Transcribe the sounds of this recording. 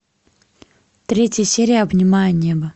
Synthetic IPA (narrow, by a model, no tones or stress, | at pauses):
t̪ɾʲetʲjəsʲeɾʲɪjəɐbnʲɪmajənʲebə